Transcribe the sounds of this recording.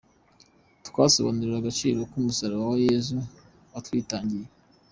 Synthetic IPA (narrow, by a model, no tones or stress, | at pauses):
tkwaːso̰βa̰nuɾiɾaɡat͡ʃḭːɾokumusaɾaβawajeːzu | watwiːtaːɲɟije